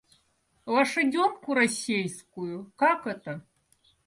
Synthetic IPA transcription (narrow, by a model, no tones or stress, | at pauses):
lɐʂɨd͡zʲɔmkuɾasʲejskujukakɛt̪ɐ